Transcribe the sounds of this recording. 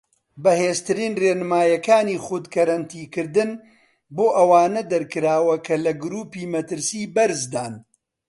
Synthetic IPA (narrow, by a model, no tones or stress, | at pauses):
bɐheːzt̪ɨɾiːnreːnɨmaːjɐkaːniːχʊd̪kɐɾɐnt̪ʰiːkɨɾd̪ɨn | boːʔɐwaːnɐd̪ɐɾkɨɾaːwɐkʰɐlɐɡʊɾuːpiːmɐt̪ɨɾsiːbɐɾzd̪aːn